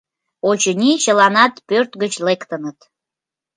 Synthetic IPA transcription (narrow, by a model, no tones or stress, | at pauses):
ot͡ɕənʲit͡ɕəlɑnɑt̪pørt̪ɡət͡ɕlekt̪ənət̪